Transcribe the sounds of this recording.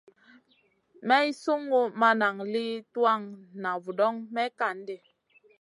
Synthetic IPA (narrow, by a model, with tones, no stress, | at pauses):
mɛ˦i˦su˦ŋɡu˦ma˦na˨ŋli˦twa˦˨ŋna˨vu˨dɔ˦ŋmɛ˦ka˨n˦de˨